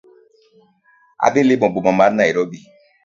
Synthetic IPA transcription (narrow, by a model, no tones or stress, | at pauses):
a̰belebɔ̃bomɔ̃maɾnaiɾɔbi